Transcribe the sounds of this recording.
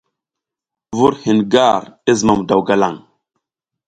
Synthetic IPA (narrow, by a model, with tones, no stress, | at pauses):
vu˦ɾhi˨nɡa˦˨ɾe˦zə˨ma˨m˨da˨wɡa˨la˨ŋ